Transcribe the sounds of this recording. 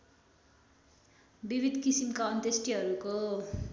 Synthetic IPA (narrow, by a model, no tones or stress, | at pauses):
bibʱid̪ʱkisimkaʌnt̪esʈiɦʌɾuko